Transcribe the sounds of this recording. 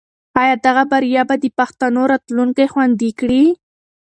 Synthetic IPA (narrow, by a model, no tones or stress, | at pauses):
ɑjɑd̪aɣabaɾjɑbad̪əpaxt̪anoɾat̪luŋkajxwand̪ikɽi